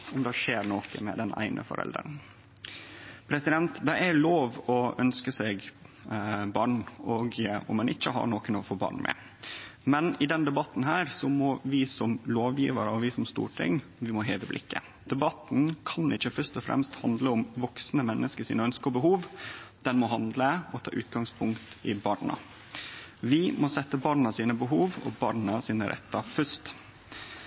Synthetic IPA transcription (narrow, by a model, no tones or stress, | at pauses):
ɔmd̪ɛʂeːɾɳoːkəmɛ̰d̪ɛnʔæ̰ɪnʔə̰fɔ̰ɾɛ̰ld̪ɾəɳ | pʰɾɛsɪd̪ɛnt̪d̪ɛɪʔæɾloːʋɔʔœnskəsɛɡ | bɑːɳɔɡɔ̰mːɛnʔɪçːəɦɑ̰ɾɳoːkənɔfoːbɑ̰ːɳmʔɛ̰ | mɛnɪd̪ɛnd̪ɛbɑt̪n̩ɦæːɾsɔmɔʋɪsɔmloːʋjḭːʋəɾəɔʋɪsɔmst̪ṵːʈʰɪ̰ŋ | ʋɪmɔɦeːʋəblʔɪ̰kːə̰ | d̪̥ɛbɑt̪n̩kʰɑnɪçːəfœʂt̪ɔfɾɛ̰mst̪hɑnd̪ləʊmʋɔksnəmɛnːəskəʂiːnəœnskəɔbəɦuːʋd̪̥ɛnmɔɦɑnd̪ləɔt̪ʰɑ̰ːʔʉ̰ːt̪ɡɑŋspʰʊŋkt̪ɪbɑːɳɑ̰ | ʋɪmɔsɛt̪ːəbɑːɳɑsiːnəbəɦuːʋɔ̰bɑ̰ːɾɳɑsiːnəɾʔɛ̰t̪ːɑfœst̪